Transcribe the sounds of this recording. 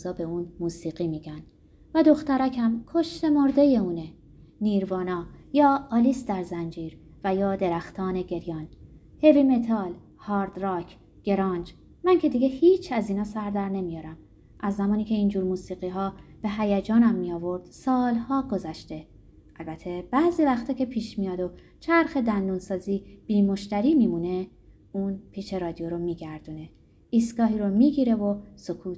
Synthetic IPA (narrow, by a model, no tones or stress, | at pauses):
zɒːbe̞uːnmuːsiːɣiːmiːɟæn | væd̪o̞xt̪æɾæcʰæmkʰo̞ʃt̪e̞mo̞ɾd̪e̞je̞uːne | niːɾvɒːnɒːjɒːliːsd̪æɾzænd͡ʒiːɾ | væjɒːd̪e̞ɾæxt̪ʰɒːne̞ɟe̞ɾjɒːn | he̞viːme̞t̪ʰɒːl | hɒːɾd̪ɾɒːcʰ | ɡ̥e̞ɾɒːnd͡ʒ | mæŋcʰe̞d̪iːɡehiːt͡ʃʰæziːnɒːsæɾd̪æɾne̞mijɒːɾæm | ʔæzːæmɒːniːcʰe̞iːnd͡ʒuːɾmuːsiːɣiːɦɒːb̥e̞ɦæjæd͡ʒɒːnæmːijɒːvo̞ɾd̪̥sɒːlhɒːɡo̞zæʃt̪e̞ | ʔælbæt̪ʰe̞b̥æziːvæxt̪ʰɒːcʰe̞pʰiːʃmijɒːd̪o̞ | t͡ʃʰæɾxe̞d̪ænd̪uːnsɒːziːb̥iːmo̞ʃt̪æɾiːmimune̞ | uːnpʰiːt͡ʃe̞ɾɒːd̪ijoɾomiːɟæɾd̪uːne̞ | iːst̪ɡɒːɦiːɾomiːɟiːɾe̞vo̞so̞kʰuːt̪